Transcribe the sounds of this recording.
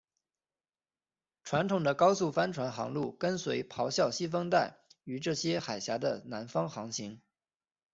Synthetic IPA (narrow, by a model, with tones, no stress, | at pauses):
ʈ͡ʂʰwa˧˥nt̪ʰʊ˨˩ŋd̪ə˦kɑ˥ʊsu˥˩fa˥nʈ͡ʂʰwa˧˥nxɑ̰˧˥ŋlu˥˩kə˥nswe˧˥ɪpʰɑ˧˥ʊɕjɑ˥˩ʊɕi˥fɤ˥ŋt̪a˥˩ɪy˧˩ʈ͡ʂɤ˥˩ɕjɛ˥xa˨˩ɪɕja˧˥d̪ə˧na˧˥nfɑ˥ŋxɑ˧˥ŋɕʰi˧˥ŋ